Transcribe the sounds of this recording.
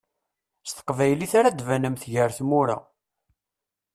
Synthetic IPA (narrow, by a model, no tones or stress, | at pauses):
st̪ə̥qvæjliθaɾad̪vænəmθʝəɾθmʊɾa̰